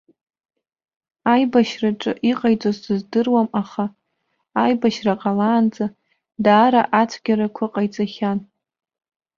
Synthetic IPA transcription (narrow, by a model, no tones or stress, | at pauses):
ajbaʃraʈ͡ʂʼɨʔiqʼajt͡sʼozdɨzdɨrwamaχaː | jbaʃraqʼalaːnt͡sʼa | daːɾaʔat͡sʷʰɡʲaɾakʷʰaqʼajt͡sʼaχʲan